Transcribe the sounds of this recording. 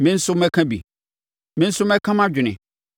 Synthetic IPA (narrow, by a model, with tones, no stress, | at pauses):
mɪ̃˦n̩˦sʊ˦mɛ̃˦kʰã˦bḭ˨ | mɪ̃˦n̩˦sʊ˦mɛ˦kʰã˦mã˦d͡ʑᶣɪ˨nɪ̰̃˨